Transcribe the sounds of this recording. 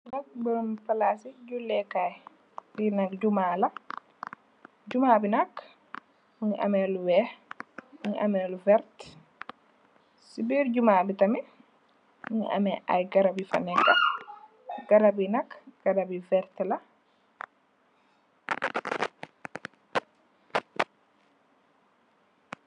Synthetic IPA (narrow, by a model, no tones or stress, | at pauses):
nak̚bəmpalasid͡ʒulːɛkaj | dinak̚d͡ʒumala | d͡ʒumabinakː | minʔa̰mɛluwɛ | muʔa̰mɛluvɛɾt | sibiɾd͡ʒumabitami | minʔa̰mɛʔa̰jɡaɾabifa̰nɛɡa | ɡaɾabinakɡ̥aɾabivɛɾtɛla